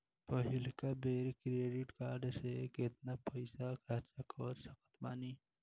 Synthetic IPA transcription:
pəɦɪlkabeːɾkɾeːɖɪʈkaːɾɖsekɪt̪napəɪsakʰaɾt͡ʃəkɔːɾsəkət̪maːni

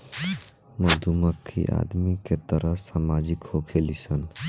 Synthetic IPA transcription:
məd̪ʱuməkʰːḭʔa̰d̪miket̪əɾəɦsamad͡ʒikhokʰelisən

